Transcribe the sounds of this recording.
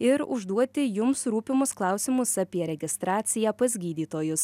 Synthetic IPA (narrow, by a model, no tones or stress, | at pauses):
ɪɾʊ̰ʒd̪uɔt̪ʲɪjʊmsɾuːpʲɪmʊsklˠɑˑʊsʲɪmʊsɑpʲiɛɾʲɛɡʲɪst̪ɾɑːt̪sʲɪjæːpɐzʲɡʲiːd̪ʲiːt̪oːjʊs